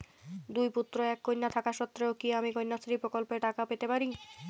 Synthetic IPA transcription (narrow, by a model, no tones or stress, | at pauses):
d̪ujput̪ːɾoɛkːojnːat̪ʰakaʃɔt̪ːɾeokiamikojnːasoɾipɾokolpeɾʈakapet̪epaɾi